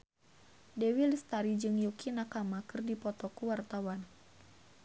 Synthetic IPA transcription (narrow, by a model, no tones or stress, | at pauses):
dewilist̪aɾid͡ʒɨŋjukinakamakɨrdipɔt̪ɔkuwart̪awan